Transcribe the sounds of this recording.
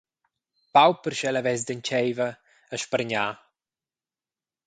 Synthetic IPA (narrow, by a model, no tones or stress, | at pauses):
pawpəɾʃɛləvɛzd̪əɲt͡ʃɛjvə | əʃpəɾɲaː